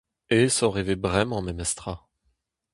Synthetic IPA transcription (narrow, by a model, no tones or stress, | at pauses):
esɔ̃ʁɛvɛbʁɛmɑ̃mɛmɛst̪χa